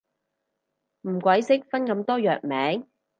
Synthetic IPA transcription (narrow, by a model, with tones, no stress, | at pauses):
m̩˨˩kʷɐ˨˥jsɪ˥k̚fɐ˥nkɐ˨˧mt̪ɔː˥jœː˨k̚mɛː˨˥ŋ